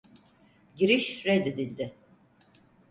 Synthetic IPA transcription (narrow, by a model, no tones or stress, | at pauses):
ɟiɾiʃɾɛd̪ed̪ilʲd̪ɪ